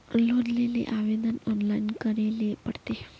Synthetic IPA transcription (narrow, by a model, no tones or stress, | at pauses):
lod̪lelḛʔaʋed̪ənɔnlainkəɾelepəɽt̪e